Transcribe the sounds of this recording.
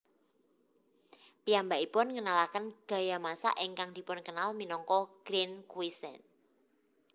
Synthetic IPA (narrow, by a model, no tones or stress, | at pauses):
piambaʔipʊnŋənalakənɡ̥a̤jamasa̰ʔiŋkaŋd̪̥i̤pʊnkənalminɔŋkɔɡ̥ɾinkwisɛ̰n